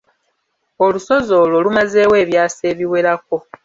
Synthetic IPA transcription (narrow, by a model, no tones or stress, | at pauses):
oluso̞zo̞ːlo̞lumaze̞ːwe̞ːβjaːseːβiwe̞ɾako̞